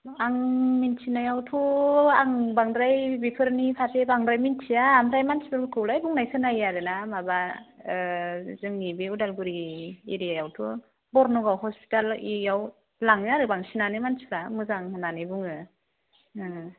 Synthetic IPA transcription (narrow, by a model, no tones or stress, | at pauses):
aŋmintʰinajawtʰuaŋbaŋdɾajbipʰɯɾnipʰatʰepaŋdɾajmintʰiaːmdɾajmansʰibɯkʰɯwlajbuŋnajsɯnajaɾɯnamaba | zɯŋnibeudalɡuɾiḛɾijajawtʰu | bɔɾnɔɡawɦɔspi̥talijaw | laŋɯaɾɯbaŋsinanɯmansiɾamɯzaŋhɯnanɯbuŋɯ